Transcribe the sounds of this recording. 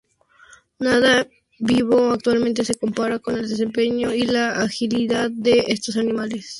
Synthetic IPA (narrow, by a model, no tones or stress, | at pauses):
naða | biβo̞ak̚t̪walmẽnt̪̬e̞se̞ko̞mpaɾako̞ne̞ld̪e̞s̬e̞mpe̞ɲoilaːxiliðaðde̞est̪o̞sanimale̞s